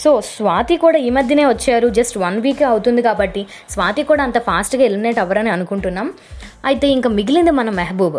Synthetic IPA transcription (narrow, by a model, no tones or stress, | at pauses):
so̞ːsʋaːt̪ikuːɽaːiːmɐd̪ʱjɐne̞ːʋɐt͡ʃːaːɾud͡ʒɐsʈʋɐnʋiːkɐwt̪und̪ikaːbɐʈːi | sʋaːt̪ikuːɽaːɐnt̪ɐpʰaːsʈɡaːilmineːʈɛʋɐɾɐniɐnukuɳʈunːaːm | ɐjt̪e̞ːiŋkaːmiɡilind̪imɐnɐmːɐɦɐbuːb